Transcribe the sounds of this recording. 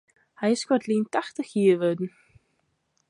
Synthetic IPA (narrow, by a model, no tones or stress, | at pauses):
ajskɔt̪lint̪aht̪açiːɪvœːt̪n